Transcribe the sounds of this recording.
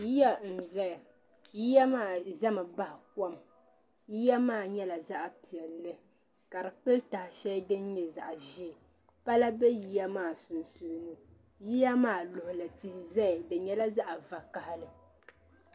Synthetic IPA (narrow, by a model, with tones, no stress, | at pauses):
ji˦ja˦n̩˨zɛ˦ja˨ | ji˦ja˦maː˦˨za˦mɨ˨ba˦hɪ˨kɔ˦m | ji˦ja˦maː˦˨ɲɛ˦la˨za˦ʔpi˨ɛ˨lːɨ˦ | ka˨ɾɨ˨k͡pɨ˦lta˨hɪ˨ʃɛ˦dɨ˦n˦ɲɛ˨za̰˨ʔʒi˦˨ | pa˦la˦bɛ˦ji˦ja˦maː˦˨su˨n˨su˨ɾnɨ˦ | ji˦ja˦maː˦˨lʊ˨hʊ˨lɨ˨tɪ˦hɪ˦˨zɛ˦jdɨ˨ɲɛ˦la˦za˦ʔa˨va˨ka˨hɪ˦lɨ˨